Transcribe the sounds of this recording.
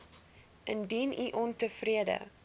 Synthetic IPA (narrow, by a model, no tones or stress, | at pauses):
ʔəndiniʔɔntəfriədə̰